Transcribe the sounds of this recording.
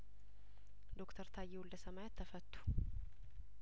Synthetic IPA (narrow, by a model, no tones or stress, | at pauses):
d̪okt̪ʰəɾt̪ʰajːɛwuld̪əsəmajat̪ʰːəfət̪ʰʼːu̥